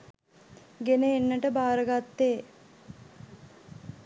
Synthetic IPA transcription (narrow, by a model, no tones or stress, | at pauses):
ɡenəenːəʈəbaːɾəɡat̪ːeː